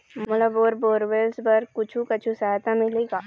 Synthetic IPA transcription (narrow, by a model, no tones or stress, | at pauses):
mmɐləboːɾboːɾʋeːlsbəɾkʊt͡ʃʰũkɐt͡ʃʰusɐɦajt̪amɪleɡaː